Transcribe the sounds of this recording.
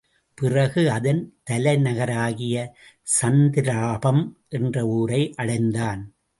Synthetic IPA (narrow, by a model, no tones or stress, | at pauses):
pɪrɐɣɯɐðɐnt̪ɐlɐɪnɐɣɐɾaːɣɪjɐ | sɐnd̪ɪɾaːbɐmʔɛndrɐuːɾɐɪʔɐɽɐɪnd̪aːn